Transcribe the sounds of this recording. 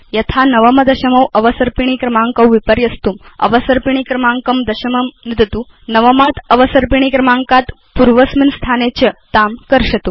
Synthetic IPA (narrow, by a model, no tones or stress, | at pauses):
jɐt̪ʰanɐʋəmɐd̪ɐɕɐmɐwɐʋəsəɾpiɳ̃iːkɾɐmaŋkəwʋipəɾjɐst̪uːmɐ̰ʋəsəɾpiɳ̃ikɾɐmaŋkɐmd̪ɐɕɐməmnid̪t̪u | nəʋɐmat̪əʋəsəɾpiɳ̃ikɾɐmaŋkat̪ | puɾʋəsminst̪ʰanet͡ɕət̪amkəɾɕɐt̪u